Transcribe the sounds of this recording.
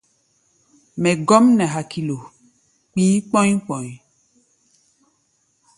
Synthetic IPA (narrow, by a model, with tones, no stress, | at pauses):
mɛ˨ɡɔ˦mnɛ̃˨ɦa˨kʰi˨lo˨ | k͡pĩ˦k͡pɔ̃˦ɲĩ˦k͡pɔ̃˨ɲi˨